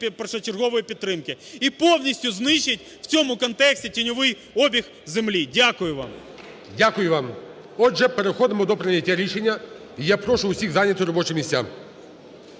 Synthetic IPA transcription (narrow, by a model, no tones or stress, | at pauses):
prʂɐt͡ʃɪrɣɔʋɔjɪpʲɪt̪ːɾɪmkɪipownʲɪsʲtʲjʊznɪʃɪtʲ | ft͡sʲomʊkɐnt̪ɛksʲtʲɪtʲɪnʲʊʋɪj | obʲɪx | zɪmlʲidʲakʊjʊʋa̰m | dʲakʊjʊvam | ɔd̪ʐɛpɐɾɪxɔd̪mʊd̪ɔpɾʲɪnʲɪtʲːaɾʲiʂɛnʲːɐ | ijapɾoʂʊʊsʲiɣzanʲɪt̪ʊɾɐbɔt͡ʃɪmʲɪsʲtʲa̰